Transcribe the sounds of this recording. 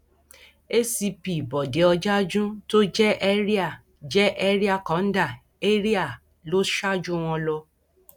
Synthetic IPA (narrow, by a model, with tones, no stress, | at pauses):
e˦si˧pi˨bɔ˨de˨˦ɔ˧d͡ʒa˦d͡ʒũ˦to˦d͡ʒɛ˦ʔɛ˦ɾi˦a˦˨ | d͡ʒɛ˦ʔɛ˦ɾi˦a˦˨kɔ̃˨˦n̩˦da˦˨ | e˦ɾi˦a˦˨ | lo˦ʃa˦d͡ʒũ˦w̃ɔ̃˧lɔ˧